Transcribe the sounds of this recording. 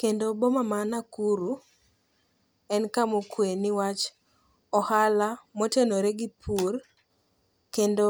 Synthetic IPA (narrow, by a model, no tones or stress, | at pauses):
kendobomamanakuɾu | ɛnkamokwenɪwat͡ʃ | ɔhalamotenoɾeɡipʰur | kendo